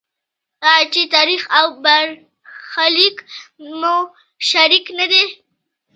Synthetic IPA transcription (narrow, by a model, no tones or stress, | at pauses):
at͡ʃet̪ɑɾixawbaɾ | xalikmo | ʃaɾiknad̪e